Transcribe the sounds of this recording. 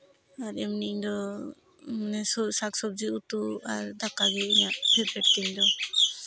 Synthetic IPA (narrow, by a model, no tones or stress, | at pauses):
aɾɛmniɲd̪ɔ | manɛsɔsaksɔb̚d͡ʒiut̪uaɾd̪akaɡɛiɲaʔbɛɾpɛʈ̚k̪ɛɲd̪ɔ